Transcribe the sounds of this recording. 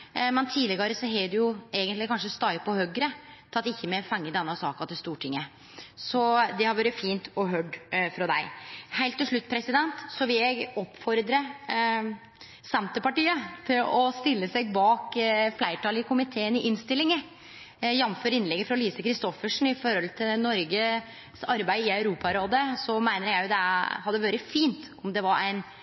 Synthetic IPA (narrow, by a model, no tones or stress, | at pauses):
mɛnt̪ʰiːlɪɡɑɾəsɔɦeːɖɛjʊeːɡənt̪lɪkʰɑnʂəst̪ɑɪpʰɔhœɡɾət̪ʰɑt̪ːɪçːəmɛfɛŋːəd̪ɛnːəsɑːkɑt̪ɪlst̪uːʈʰɪŋːə | sɔd̪ɛhɑɾʋɑːɾəfiːnt̪ɔɦœɖfɾɑd̪æɪhæɪlt̪ːɪʂɭʉt̪ːpʰɾɛsɪd̪ɛnt̪sɔʋɪljæɪɡɔpːfɔɾd̪ɾə | sɛmt̪əpɑʈiːət̪ʰɪlɔst̪ɪlːəsæɪɡbɑːkflæɪʈɑːlɪkʊmɪt̪ʰeːənɪʔɪnst̪ɪlːɪŋə | jɛnføːɾɪnlɛɡːəfɾɑliːsəkʰɾɪst̪ɔfəʂn̩ɪfɔɾɔlt̪ʰɪlnɔɾɡə | sɑɾbæɪɪɑʉɾuːpɑɾoːd̪əsɔmæɪnəɾjæɪjʊd̪ɛhɑd̪ːəʋøːɾəfiːnt̪ɔmd̪ɛʋɑɾæ̰ɪn